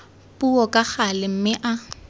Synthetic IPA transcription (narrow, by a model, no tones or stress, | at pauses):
puɔkʼaχalɪm̩mɪʔa